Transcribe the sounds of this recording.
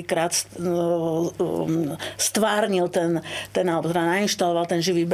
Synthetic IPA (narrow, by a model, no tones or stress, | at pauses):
ikɾaːt̪s | st̪ʋaːɾɲilt̪ɛnt̪ɛnalɛbɔt̪ɛd̪anainʃt̪alɔʋalˠt̪ɛnʒiʋiːb